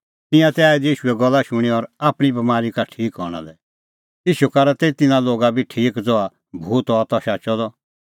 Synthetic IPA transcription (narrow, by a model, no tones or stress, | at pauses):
t̪ɪ̃jãt̪ɛaːid̪iiːʃuɛɡɔlːaʃʊɽ̃iɔɾaːpɽ̃ibɐmaːɾikaʈʰiːkɦɔ̰ɽ̃a̰lɛ | iːʃukaɾat̪eːit̪ɪnãloːɡabʱiʈʰiːkd͡zɔa | bʱuːt̪ɔːt̪ɔʃaːt͡ʃɔd̪ɔ